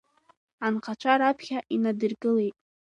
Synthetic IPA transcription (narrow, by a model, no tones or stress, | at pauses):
anqʰat͡ʃʷʰaɾapʰχʲaʔinadɨrkʼɨlejtʼ